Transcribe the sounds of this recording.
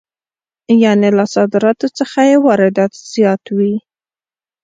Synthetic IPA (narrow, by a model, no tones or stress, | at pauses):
janelasɑd̪ɪɾɑt̪ot͡səxajewɑɾɪd̪ɑt̪z̥jɑt̪wi